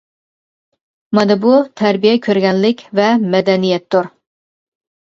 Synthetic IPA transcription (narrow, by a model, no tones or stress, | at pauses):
mɑd̪ɨbut̪ʰæɾbijɛkʲʰøɾɡʲɛnlɪkʲvɛmɛd̪ɛnijɛt̪ːuɾ